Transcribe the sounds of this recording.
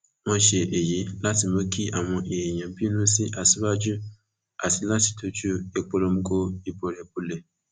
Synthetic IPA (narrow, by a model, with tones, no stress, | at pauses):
wɔ̃˦ʃe˨ʔe˨ji˨˦la˦ti˨mã˦kʰi˦ʔa˨w̃ɔ̃˨ʔe˨e˨jɛ̃˨m̩˦bi˦nũ˦si˦ʔa˨si˦ba˦d͡ʒu˦ | a˨si˨la˦ti̥˨tʰo˦t͡ʃu˦e˨k͡po˦lo˧m̩˦ko˦i˦bɔ˨ɾɛ˨bu˦le˨